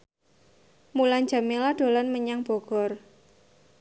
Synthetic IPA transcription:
muland͡ʒa̤melad̥o̤lanməɲaŋb̥ɔ̤ɡ̥ɔ̤r

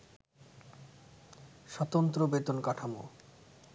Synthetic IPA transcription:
ʃɔt̪ont̪ɾobet̪onkaʈʰamo

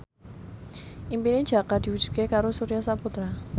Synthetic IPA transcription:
ʔimpinid̥ʒ̥a̤kad̪̥iwud̥ʒ̥ṳ̥kekaɾosuɾijasaput̪ɾa

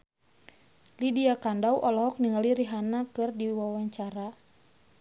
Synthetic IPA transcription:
lidiakandawʔɔlɔɦɔk̚niŋaliɾiɦanakɨrdiwawaɲt͡ʃaɾa

